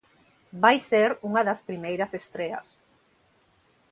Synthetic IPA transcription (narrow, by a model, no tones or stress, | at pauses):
bajseɾuŋɐðɐspɾimejɾɐsest̪ɾeɐ̰s